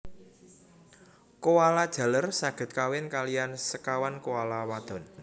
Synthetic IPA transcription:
kowalad̥ʒ̥ä̤lərsaɡ̥ə̤t̪̚kawɪnkalijansəkawankoalawad̪̥ɔ̤n

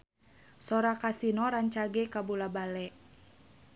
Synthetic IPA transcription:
sɔɾakasinɔɾaɲt͡ʃaɡɛkabulabalɛʔ

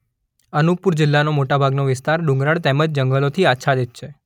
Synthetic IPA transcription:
ənuk̚puɾd͡ʒɪlːanomoʈabʱaɡnoʋɪst̪aɾɖũŋɡɾaɭt̪eməd͡ʒd͡ʒəŋɡəlot̪ʰiatːʃʰad̪et̪ʃʰe

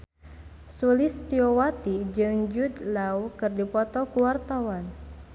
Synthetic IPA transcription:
sulist̪iowat̪id͡ʒɨŋd͡ʒud̪lawkɨrdipɔt̪ɔkuwart̪awan

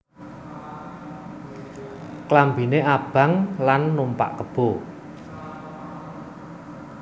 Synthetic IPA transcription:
klambi̤neʔab̥a̤ŋlanːumpa̰ʔkəb̥o

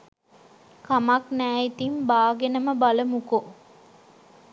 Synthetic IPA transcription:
kamaknæːit̪imbaːɡenəməbaləmuko

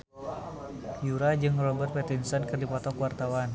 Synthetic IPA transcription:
juɾad͡ʒɨŋrɔbərt̪̚pɛt̪insɔnkɨrdipɔt̪ɔkwart̪awan

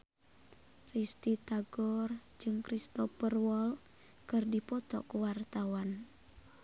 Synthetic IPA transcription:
rist̪it̪aɡɔrd͡ʒɨŋkɾist̪ɔpərwɔl | kɨrdipɔt̪ɔ̰kuwart̪awan

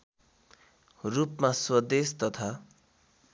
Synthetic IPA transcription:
rupmaswʌd̪est̪ʌt̪ʰa

